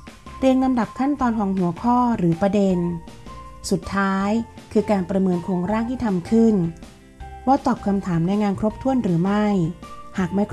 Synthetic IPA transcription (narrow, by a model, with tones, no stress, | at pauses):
ɾiː˧əŋla˧mda˨˩p̚kʰa˥˩nt̪ɔː˧nkʰɔː˩˦ŋɦu˩˦ɐkʰɔː˥˩ɾɯː˩˦pɾa˧de˧n | su˨˩t̪ʰːaː˦˥jkʰɯː˧kaː˧npɾa˧mɤː˧nkʰoː˧ŋɾaː˥˩ŋt̪ʰiː˥˩t̪ʰa˧mkʰɯ˥˩n | waː˦˥˩t̪ɔː˨˩p̚kʰa˧mt̪ʰaː˩˦mna˧jŋaː˧nkʰɾoː˦˥p̚t̪ʰu˥˩ənɾɯː˩˦ma˥˩jhaː˨˩k̚ma˥˩j